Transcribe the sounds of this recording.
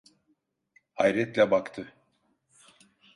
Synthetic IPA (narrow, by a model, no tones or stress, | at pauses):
ajɾɛt̪lʲɛbakt̪ʰɯ